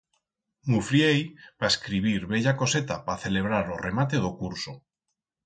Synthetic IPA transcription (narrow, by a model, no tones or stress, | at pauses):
mufɾjejpaeskɾiβ̞iɾβeʎakoset̪apaθeleβ̞ɾaɾoremat̪̬eðokuɾso